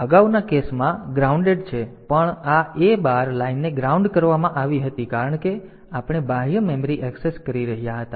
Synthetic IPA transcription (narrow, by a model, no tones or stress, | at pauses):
əɡaʋnakesmãɡɾauɳɖeɖt͡ʃʰepəɳaebaɾlainːeɡɾauɳɖkəɾʋamãʔaʋiɦət̪ikaɾəɳke | apɳ̃ebaɦijəmɛməɾiʔɛkseskəɾiɾəɦijaɦət̪a